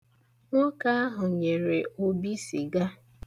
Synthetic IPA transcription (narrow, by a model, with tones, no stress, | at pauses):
ŋɔ˦ka˦a˦ɦʊ˨ɲe˨ɾe˨o˦bi˦si˨ɡa˦